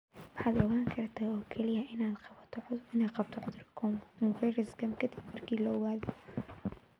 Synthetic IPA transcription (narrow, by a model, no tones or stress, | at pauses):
wɑħɑːd̪ɔɣaːŋkʰɐrt̪ʰaːɔːkʰɛlɪjɐʔɪnaːd̪t̪ʰɪnaːd̪qɑb̚t̪ʰɔʕʊd̪rkʰɔkʰɔŋvɛjrɪsɡɐmkʰɐd̪ibmɐrkʰiːlɔɔwaːðɔ